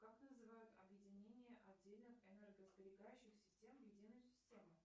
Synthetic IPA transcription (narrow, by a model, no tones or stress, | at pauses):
kaknəzɨvajʊt̪ɐ̰bjɪdʲɪnʲenʲɪjəʔɐddʲelʲnɨxɛnɛrɡəzbʲɪɾʲɪɡajʉɕːɪxsʲɪ̥sʲtʲe̞mjɪdʲinəjʊsʲɪ̥sʲtʲemɨ